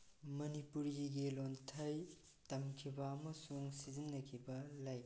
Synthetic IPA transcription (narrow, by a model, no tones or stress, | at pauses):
mɐnipuɾɡiɡilontʰɐj | tɐmkʰibɐːmɐsuŋsizinːɐkʰibɐlaj